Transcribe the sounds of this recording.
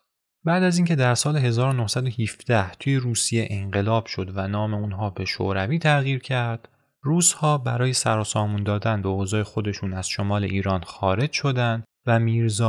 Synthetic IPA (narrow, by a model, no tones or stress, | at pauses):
bæːd̪æziːŋcʰe̞d̪æɾsɒːleɦe̞zɒːɾonohsæd̪ohifd̪̥æht̪ʰuje̞ɾuːsije̞ʔeŋɢe̞lɒːb̥ʃo̞d̪vænɒːme̞unɦɒːbe̞ʃo̰ɾæviːt̪ʰæɣiːɾcʰæɾd̪̥ | ruːz̥hɒːbæɾɒːje̞sæɾɒːsɒːmuːnd̪ɒːd̪ænbeoːzɒːjexo̞d̪e̞ʃuːnæz̥ʃo̞mɒːle̞ʔiːɾɒːnxɒːɾe̞d͡ʒʃo̞d̪ænd̪ | væmiːɾzɒː